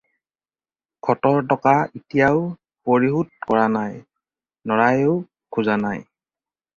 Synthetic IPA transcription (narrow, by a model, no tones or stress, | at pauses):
kʰɔtɔɹtɔkaitijaʊ | poɹiɦutkɔɹanaj | nɔɹajoʊ | kʰuzanaj